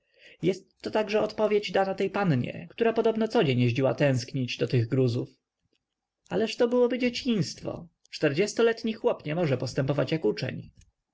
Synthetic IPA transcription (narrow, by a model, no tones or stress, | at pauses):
jɛst̪ːɔt̪aɡʐɛɔt̪pɔvʲjed͡ʑd̪anat̪ɛjpanɲɛ̰kt̪uɾapɔd̪ɔbnɔt̪sɔd͡ʑeɲjeʑd͡ʑiwat̪ɛ̃w̃skɲid͡ʑd̪ɔt̪ɘɣɡɾuzuf | ʔalɛʂt̪ɔbɘwɔbɘd͡ʑet͡ɕĩj̃st̪fɔ̰ | t͡ʂt̪ɛɾd͡ʑɛst̪ɔlɛt̪ɲixwɔpɲɛmɔʐɛpɔst̪ɛmpɔvat͡ɕjakut͡ʂɛ̰ɲ